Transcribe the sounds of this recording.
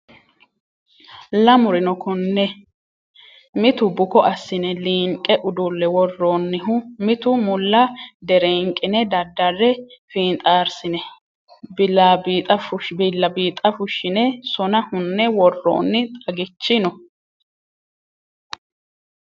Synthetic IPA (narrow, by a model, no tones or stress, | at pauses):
lɐmʊɾɪnɔkʊnːɛ | mɪt̪ʊbʊkɔʔɐsːɪnɛliːŋkʼːɛʔʊd̪ʊlːɛwɔrːoːnːɪɦʊmɪt̪ʊmʊlːɐd̪ɛɾɛŋkʼːɪnɛd̪ɐd̪ːɐrɛfiːnt̪ʼaːɾsɪnɛ | bɪlabiːt̪ʼɐfʊʃbɪlːɐbiːt̪ʼɐfʊʃːɪnɛsɔnɐhʊnːɛwɔrːo̰ːnːɪt̪ʼɐɡɪt͡ʃːɪnɔ